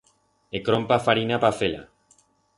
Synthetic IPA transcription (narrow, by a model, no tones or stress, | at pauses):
ekɾompafaɾinapafela̰